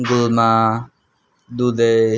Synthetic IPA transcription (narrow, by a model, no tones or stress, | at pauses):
ɡʊlmãː | d̪uːd̪eː